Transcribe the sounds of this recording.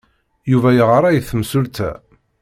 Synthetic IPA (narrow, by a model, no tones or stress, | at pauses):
juvæjəʁəɾˤæjθəmsult̪ʰæ̰